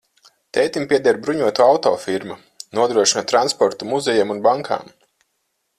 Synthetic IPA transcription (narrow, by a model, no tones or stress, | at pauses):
t̪ɛjt̪impʲiɛd̪ɛɾbɾuɲuɔt̪uawt̪ɔ̰ːfiɾmu | nuɔd̪ɾuɔʃinat̪ɾanspɔɾt̪umuzɛjamunbaŋkʰa̰ːm